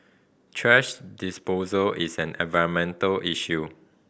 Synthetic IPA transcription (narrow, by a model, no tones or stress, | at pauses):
tʰɹɛʃdispozəlʔisɛ̃nɛ̰̃nvaɹə̃nmɛ̃ntəlʔiʃu